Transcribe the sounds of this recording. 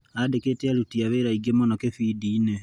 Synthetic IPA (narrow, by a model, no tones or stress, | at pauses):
adeketealutiaβeɾaiɡemonɔkefidiːne